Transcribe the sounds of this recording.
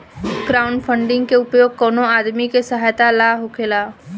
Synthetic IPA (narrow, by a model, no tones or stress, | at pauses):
ɡɾaːʊɳɖpʰə̃ɳɖɪ̃ŋɡkeʊpjoːɡ̚kɔːnoaːd̪mikesəɦaːjt̪alaːɦokʰelaː